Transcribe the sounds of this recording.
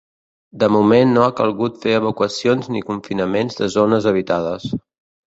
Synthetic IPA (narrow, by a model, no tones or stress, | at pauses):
d̪əmumenːoakəlˠɣut̪feəβ̞əkwəsionznikuɱfinəmenzðəzonəzəβ̞it̪að̞əs